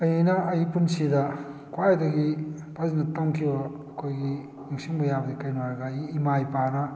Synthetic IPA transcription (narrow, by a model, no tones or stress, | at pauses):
ɐjinɐɐjipunsidɐkʰwajdɐɡi | pʰazinɐtɐmkʰibɐː | kʰojɡi | iŋsiŋbɐjabɐdikɐjnwaɾɡajiːmajpanɐ